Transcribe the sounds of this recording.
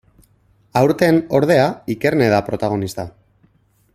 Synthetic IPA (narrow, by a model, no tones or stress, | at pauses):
awɾt̪e̞no̞ɾðe̞aike̞ɾne̞ð̞apɾo̞t̪aɣ̞o̞nist̪a